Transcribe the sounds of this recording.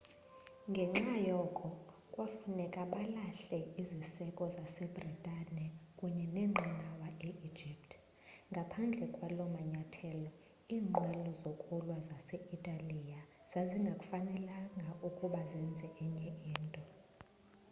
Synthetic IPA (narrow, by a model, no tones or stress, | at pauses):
ŋɡʱɛŋ͡ǁajɔkʼɔ | kʼwafunɛkʼaɓalaɬɛizisɛkʼɔzasɛb̥ratʼanɛkʼuɲɛnɛːŋ͡ǃʱanawaʔeʔi̥d͡ʒiptʰʼ | ŋɡʱapʰand͡ɮʱɛkʼwalɔmaɲatʰɛlɔ | iːŋ͡ǃʱwɛlɔzokʼulwazasɛitʼalija | z̥aziŋɡʱakʼu̥fanɛlaŋɡʱaʔukʼuɓazɛnd͡zʱɛʔɛɲɛiːntʼɔ